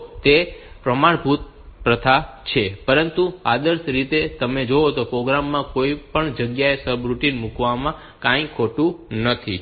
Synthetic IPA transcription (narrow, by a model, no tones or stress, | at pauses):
t̪e | pɾəmaɳbʱut̪̚ | pɾət̪ʰa | t͡ʃʰepəɾənt̪ua̰d̪əɾsɾit̪et̪əmed͡ʒoot̪opɾoɡɾamːãkoipəɳd͡ʒəɡjaesəbɾuʈinmukʋamã | kãj̃kʰoʈũnət̪ʰi